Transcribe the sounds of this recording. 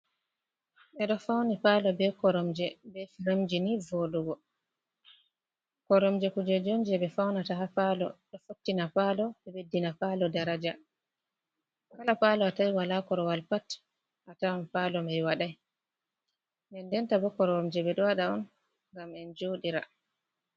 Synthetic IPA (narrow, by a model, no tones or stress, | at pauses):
ɓɛɗɔfawnipalɔbɛkɔɾɔmd͡ʒɛbɛfiɾamd͡ʒinivoɗuɡɔ | kɔɾɔmd͡ʒɛkud͡ʒɛd͡ʒond͡ʒɛbɛfawnataɦapalɔ̰ɗɔfotːinapalɔɓɛbedːinapalɔdaɾad͡ʒa | kalapalɔatajwalakɔɾɔwalpat | ʔataɔnpalɔmajwaɗaj | ndɛndɛntabɔkɔɾɔɔmd͡ʒɛbɛɗɔwaɗaɔn | ŋɡamɛnd͡ʒoɗiɾa̰